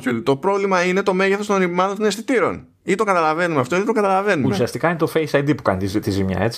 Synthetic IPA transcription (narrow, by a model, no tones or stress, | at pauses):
çolt̪o̞pɾo̞vlimɐine̞t̪o̞meʝeθo̞st̪onnimɐðont̪nest̪it̪iɾo̞̰n | it̪o̞ŋɡɐt̪ɐlɐve̞numeɐft̪oiet̪oŋɡɐt̪ɐlɐve̞numusiɐst̪ikɐinet̪ofejsɐjd̪ipukɐ̰nit̪it̪izimɲɐ̰e̞t͡si̥